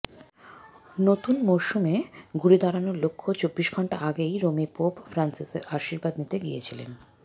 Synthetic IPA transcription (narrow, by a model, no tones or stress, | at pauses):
not̪unmoʃumeɡuɾid̪ʱaɾanoɾlokʰːot͡ɕobːiʃɡʱɔɳʈaʔaɡejɾomipopfɾansiseɾʔaʃiɾbad̪nit̪eɡijet͡ɕʰilḛn